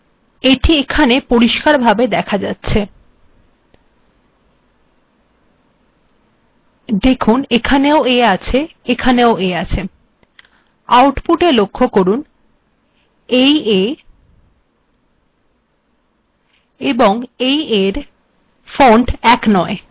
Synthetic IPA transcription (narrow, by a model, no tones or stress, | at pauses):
eʈiekʰanepoɾiʃkaɾbʱabed̪ɛkʰad͡ʑatːɕʰe | d̪ekʰunekʰaneoeat͡ɕʰeekʰaneoʔeat͡ɕʰe | awʈpuʈelokʰːokoɾun | eje | eboŋejeɾ | foɳɖɛknɔe